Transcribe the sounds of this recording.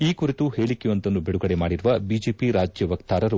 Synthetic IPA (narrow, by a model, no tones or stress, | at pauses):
iːkuɾit̪uheːɭikːɛjʋɐnt̪ɐnːubiɽuɡɐɽemaːɽiɾuʋɐbiːd͡ʒeːpiɾaːd͡ʒjɐʋɐkt̪aːɾɐɾu